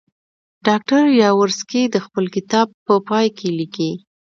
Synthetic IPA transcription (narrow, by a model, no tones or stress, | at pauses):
ɖɑk̚ʈaɾjɑwəɾskid̪əxpəlkɪt̪ɑb̚pːəpɑjkʰeliki